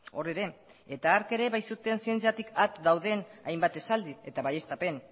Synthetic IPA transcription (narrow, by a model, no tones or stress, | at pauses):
o̞re̞ɾe̞ | et̪aːɾke̞ɾe̞βajsut̪e̞nsie̞nt͡siat̪ikʰat̪d̪awðe̞najmbat̪e̞sald̪ie̞t̪aβaje̞st̪ape̞n